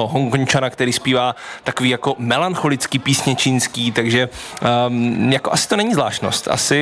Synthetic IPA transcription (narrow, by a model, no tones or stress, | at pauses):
oɦoŋkoɲt͡ʃanakt̪ɛɾiːspiːvaːt̪akoviːjako̞mɛlanxo̞lɪt͡skɪpiːsɲɛt͡ʃɪnskiːt̪aɡʒɛ | jakoʔasɪ̥t̪o̞nɛɲizla̰ːʃno̞̰st̪ʔa̰sɪ